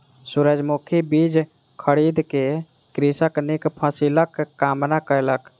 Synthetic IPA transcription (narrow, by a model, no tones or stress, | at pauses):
suɾəd͡ʒmukʰibid͡ʒ | kʰəɽid̪ke | kɾisəknikpʰəsiləkːamnakələk